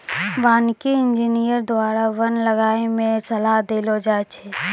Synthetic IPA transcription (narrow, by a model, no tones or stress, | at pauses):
ʋaːnkiɪnd͡ʒinijəɾd̪waːɾaʋənləɡaːemẽsɐlaɦd̪eːlod͡ʒaːet͡ʃʰɛː